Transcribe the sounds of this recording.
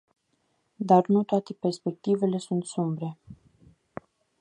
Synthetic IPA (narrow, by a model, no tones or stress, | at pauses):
d̪arnut̪oat̪e̞pe̞rspe̞k̚t̪ive̞le̞sunt̪sumbɾe̞